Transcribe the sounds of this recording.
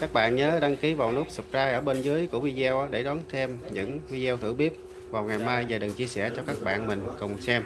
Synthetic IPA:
kaː˦˥k̚ɓa̰ː˧˨nɲəː˨˦ɗa˧ŋki˨˦vaː˨˩wnu˦˥k̚sɨ˨˩p̚kaː˧jʔəː˧˩ɓe˧nzɨ˨˦əjku˧˩əvi˧zɛ˧wʔaː˨˦ɗe˧˩ɗɔ˨˦nt̪ʰe˧mɲɨ̰˧˥ŋvi˧zɛ˧wt̪ʰɨ̰˧˩ɓi˦˥əp̚ | vaː˨˩wŋa˨˩jmaː˧jzaː˨˩ɗɨ˨˩ŋt͡ɕi˧əsɛ˧˩t͡ɕɔ˧kaː˦˥k̚ɓa̰ː˧˨nmï˨˩ŋ̟kʊ˨˩wŋ͡msɛ˧m

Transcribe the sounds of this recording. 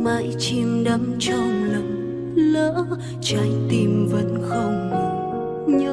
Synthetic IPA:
ma̰˧˨jt͡ɕi˧mɗa˨˦mt͡ɕə˧˩ŋ͡mlə˨˩ŋ | ləː˧˥ | t͡ɕaː˨˦jt̪i˧˩mvə̰˧˥nxə˧wŋ͡mmə˨˩ | ɲə˧˦

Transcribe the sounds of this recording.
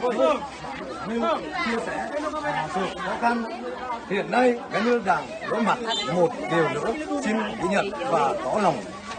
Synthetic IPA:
ɲɨ˧t͡ɕi˧əsɛ˧˩aː˨˩sɨ̰˨˩əŋxɔ˨˦xa˧n | hḭ˧˨ənːa˧jkaː˨˦nɨ˧əɗa̰ː˧˩ŋlɨ̰˧˥ma̰˧˨t̚mo˨˩t̚ɗi˨˩əwlɨ̰˧˥əsi˧nkḭ˧˥ɲə̰˧˨nvaː˨˩t̪ɔ˨˦la˨˩wŋ͡m

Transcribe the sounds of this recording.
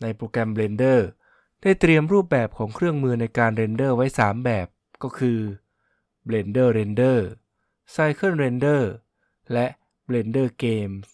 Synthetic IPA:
na˧jpɾoː˧kɛ˧mbleː˧ndɤː˥˩ | d̥aː˥˩jt̪ɾi˧əmɾuː˥˩p̚bɛː˨˩p̚kʰɔː˩˦ŋkʰɾɯ˥˩əŋmɯː˧na˧jkaː˧nɾe˧ndɤː˥˩wa˦˥jsaː˩˦mbɛː˨˩p̚ | kɔː˥˩kʰɯː˧ | bleː˧ndɤː˥˩ɾeː˧ndɤː˥˩ | saː˧jkʰɯ˥˩nɾeː˧ndɤː˥˩ | lɛ˦˥ʔ | bleː˧ndɤː˥˩keː˧ms

